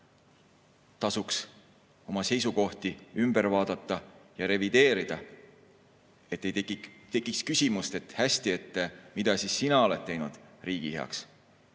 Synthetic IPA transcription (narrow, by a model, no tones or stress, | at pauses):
t̪ɑsuks | o̞mɑse̞jsuko̞ht̪iymb̥e̞ɾvɑːd̪̥ɑt̪ːˑɑjɑɾe̞vid̪̥e̞ːɾid̪̥ɑ | e̞t̪ːet̪e̞kːˑikskysʲimust̪e̞t̪hæsʲt̪ie̞t̪ˑːemid̪ɑsisːinɑo̞le̞t̪̚t̪ːe̞jnud̪̥riːɡ̥iheɑ̰ks